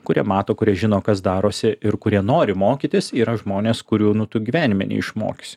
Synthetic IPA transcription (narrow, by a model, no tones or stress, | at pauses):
kʊɾʲiɛmɑːt̪oːkʊɾʲiɛʒʲɪnoːkɐs̬d̪ɑːɾoːsʲɪɪɾkʊɾʲiɛnoːɾʲɪmoːkʲit̪ʲɪsiːɾɐʒmoːnʲeːskʊɾʲuːnʊt̪ʊɡʲiʋʲæːnʲɪmʲɛ̰nʲɛ̰ɪʃmo̰ːkʲɪsʲɪ